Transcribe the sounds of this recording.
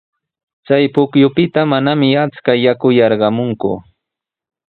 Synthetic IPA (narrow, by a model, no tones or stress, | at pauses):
t͡sajpʊkjʊpɪt̪amanamɪat͡skajakʊjɑɾɢɑmʊŋkʊ̰